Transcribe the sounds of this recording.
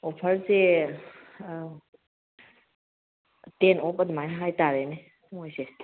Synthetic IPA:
opʰəɾze | tenopɐd̪umajnɐɦajtaɾene | mojse

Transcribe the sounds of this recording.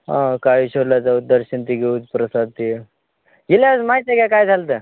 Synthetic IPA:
ɦã̰kaɦiɕoɾlad͡zaud̪əɾɕənt̪iːɡeud͡zpɾəsad̪̚t̪i | ɡelasmajt̪ekakajd͡zʱalt̪ə

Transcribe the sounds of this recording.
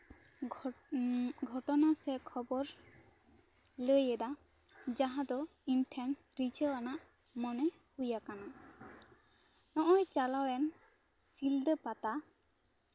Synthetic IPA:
ɡʱɔʈɔnasɛkʰɔbɔɾ | ləjɛd̪a | d͡ʒaɦãd̪ɔimtʰɛnʈɾit͡ʃəanaʔmɔnɛpujakana | nɔʔɔjt͡ʃalawɛnsilɖəpat̪a

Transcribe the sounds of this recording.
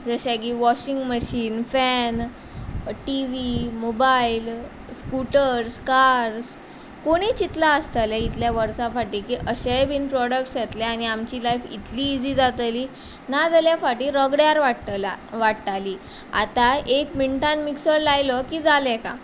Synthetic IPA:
d͡zəɕakiʋɔɕiŋɡməɕiːnfɛn | ʈiʋimobail | skuʈəɾskaɾs | koɽ̃it͡ɕit̪laəst̪əlɛit̪ljaʋəɾsãfaʈiːkiːʔəɕebʱiːnpɾɔɽək̚ʈsjet̪lɛañiamt͡ɕiːlajfḭt̪liːd͡ziːd͡zat̪əliː | nad͡zaljafaʈiːɾəɡɽjaɾʋalaʋaʈʈaliː | a̰t̪aekmiɳʈãnmiksəɾlajlɔkiːd͡zalɛkã̰

